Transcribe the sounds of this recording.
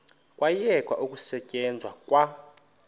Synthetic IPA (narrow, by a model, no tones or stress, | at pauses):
kʼwajɛkʼwa̰ʔukʼusɛcʼɛnd͡zʱwakʼwa